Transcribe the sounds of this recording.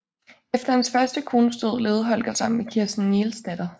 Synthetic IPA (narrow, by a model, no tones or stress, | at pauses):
efd̥ɐhænsfɶɐsd̥əkʰo̝ːnəsd̥øð̰ˠle̝ːð̞ˠɦɒ̽l̰ɡ̥æsɑ̈m̰n̩mekʰiɐsd̥n̩neːlsd̥æd̥ɐ